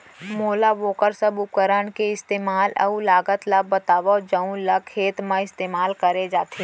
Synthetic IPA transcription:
moːlaʋoːkəɾsəbʊp̚kəɾəɳkeɪst̪eːmaːlɐ̰ulaːɡət̪labət̪aːʋad͡ʒəũlɐkkʰeːt̪mãɪst̪eːmaːlkəɾed͡ʒaːt̪ʰe

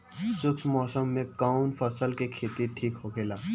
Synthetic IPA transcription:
sʊksmɔːsəmːẽkaːʊnpʰəsəlkekʰeːt̪iʈʰiːkɦokʰeːlaː

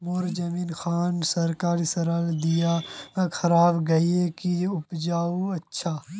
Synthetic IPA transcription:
moːɾd͡ʒɐmiːnxaːnsɐɾkaːɾsɐɾəld̪ijakʰɐɾaːbɡɐiekiʊpd͡ʒaːuɐtːʃʰaː

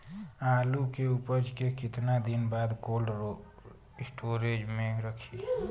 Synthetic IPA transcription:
alukeupəd͡ʒkekɪt̪nad̪inbad̪kolɖ | sʈʰoɾed͡ʒmẽɾəkʰi

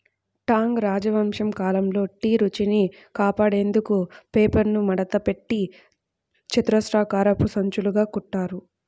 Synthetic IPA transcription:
ʈaːŋɡɾaːd͡ʒɐʋɐmʂɐmkaːlɐmlo̞ːʈiːɾut͡ʃini | kaːpaːɽe̞ːnd̪ukupeːpɐɾnumɐɽɐt̪ɐpe̞ʈːi | t͡ʃit̪ɾɐsɾaːkaːɾɐpusɐɲt͡ʃuluɡaːkuʈːaːɾu

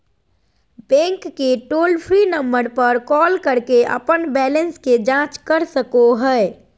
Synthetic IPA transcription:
bɛ̃ŋkːeʈolpʰɾinəmbəɾpəɾkɔlkəɾkeʔə̰pənbɛlənsked͡ʒãt͡ʃkəɾsəkoɦəe

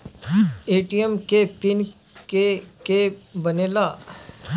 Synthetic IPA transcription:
eːʈijəmkepɪn | kekebɐneːla

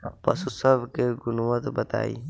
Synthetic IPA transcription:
pɐsusəbʱkeɡʊnuwət̪bət̪a̰ːḭ

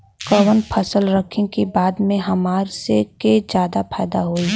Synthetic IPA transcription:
kəwənpʰəsəlɾəkʰɪ̃kibaːd̪mẽɦɐmaːɾseked͡ʒjaːd̪apʰɛːd̪aɦoːi

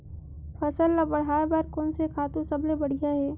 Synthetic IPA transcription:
pʰɐsəlːabɐɽ̤aːbaːɾkoːnsekʰaːt̪ũsɐblebɐɽ̤ijaɦɛː

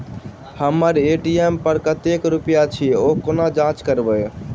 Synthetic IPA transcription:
həmːəɾeʈiempəɾkət̪ekɾupjat͡ʃʰiokonad͡ʒãt͡ʃkəɾbəj

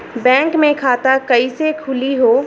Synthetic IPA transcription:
bɛ̃ːŋkmẽkʰaːt̪akɐisekʰʊliɦoː

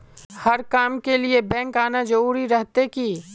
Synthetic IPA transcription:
hɐɾkaːmkeliebɛ̃ːŋkaːnad͡ʒɐɾuːɾiɾɐɦt̪ekiː

